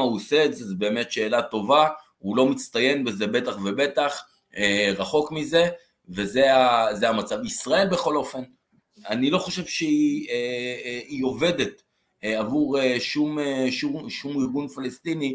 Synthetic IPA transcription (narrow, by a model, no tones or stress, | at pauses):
ausetzezbe̞ːme̞tʃe̞ːlato̞va | ulo̞mit͡st̪aje̞nbe̞ze̞be̞taχve̞be̞t̪aχ | eʁaχo̞kmize̞ | vezeazeamat͡savisʁae̞lbe̞χo̞lo̞fe̞n | anilo̞χoʃe̞vʃeie | io̞ve̞de̞t | avuʁeʃumeʃumʃumiʁɡunfalest̪ini